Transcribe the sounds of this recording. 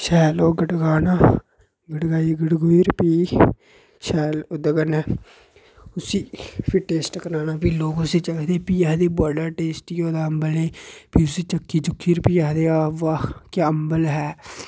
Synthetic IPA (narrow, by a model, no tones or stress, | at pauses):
ʃɛːloːɡəɖɡaːnaː | ɡəɖɡaːiːɡəɽɡʊiːɾpiː | ʃɛːlʊd̪əɡənɛː | ʊsiːpʰɪʈeːsʈkəɾaːnaːpiːloːkʊsiːt͡ʃəkd̪eːpiːɛɦd̪eːbəɖəɾʈeːsʈjoːd̪aːəmbəleːpiːʊsiːt͡ʃəkːiːt͡ʃʊkʰːiːɾpiːɛɦd̪eːaːʋaːkaːəmbəlɦɛː